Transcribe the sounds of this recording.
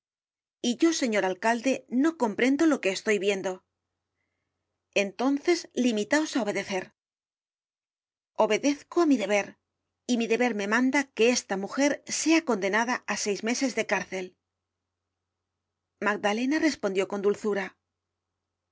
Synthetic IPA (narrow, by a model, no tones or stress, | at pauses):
iʝo̞se̞ɲo̞ɾalkald̪e̞no̞ko̞mpɾe̞nd̪o̞lo̞ke̞ːst̪o̞jβje̞nd̪o̞ | e̞nt̪o̞nθe̞zlimit̪ao̞sao̞βe̞ðe̞θe̞ɾ | o̞βe̞ðe̞θkoamiðe̞β̞e̞ɾ | imiðe̞βe̞ɾme̞mãnd̪ake̞est̪amuxe̞ɾse̞ako̞nd̪e̞naðaase̞jzme̞se̞zðe̞kaɾθe̞l | maɡ̚d̪ale̞nare̞spo̞nd̪jo̞ko̞nd̪ulθuɾa